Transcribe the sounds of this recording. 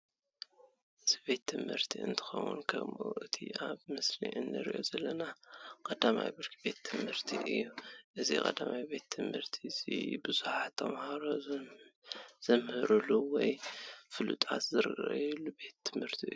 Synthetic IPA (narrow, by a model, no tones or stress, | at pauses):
ʔɨzibe̞t̪ʰːɨmhɨɾt̪ʰiɨ̰nt̪ʰɨ̥xɐ̰wṵnkʰɐ̰mʔṵʔɨt̪ʰḭaβmɨsliʔɨnːɨɾiʔo̞zɐlːɐnakʼɐd̪ama̰jbɨɾkʰibe̞t̪ʰːɨmhɨɾt̪ʰiʔɨjːuʔɨzḭkʼɐd̪amajbe̞t̪ʰːɨmhɨɾt̪ʰizḭbɨzuħat̪ʰːɐmhaɾo | z̥ɐmhɨɾuluwɔjfɨlṵt̪ʼa̰t̪zɨɾɨɡɐ̰jɛlːube̞t̪ʰːɨmhɨɾt̪ʰiɨ̰jːu